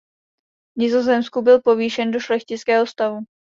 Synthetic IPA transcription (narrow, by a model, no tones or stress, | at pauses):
vɲɪzozɛmskubɪlpo̞viːʃɛndo̞ʃlɛxcɪt͡skɛːɦost̪avu